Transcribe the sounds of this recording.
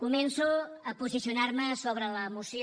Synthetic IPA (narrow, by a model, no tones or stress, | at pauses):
kumɛnsu | əpuzisiunarməsoβ̞ɾələːmusj